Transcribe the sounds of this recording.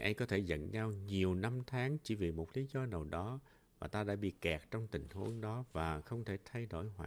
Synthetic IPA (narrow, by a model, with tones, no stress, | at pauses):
ʔa˧jkɔ˨˦t̪ʰe˧˩zə̰˧˨nɲa˧wɲi˨˩əwna˧mt̪ʰaː˨˦ŋt͡ɕḭ˧˩vi˨˩mo˨˩t̚li˨˦zɔ˧nə˨˩wɗɔ˨˦ | vaː˨˩t̪aː˧ɗa̰ː˧˥ɓḭ˧˨kɛ˨˩k̚t͡ɕɔ˧wŋ͡mt̪ï˨˩ŋ̟hu˨˦əŋɗɔ˨˦vaː˨˩xə˧wŋ͡mt̪ʰe˧˩t̪ʰa˧jɗo̰˧˩jhwa̰ː˧˨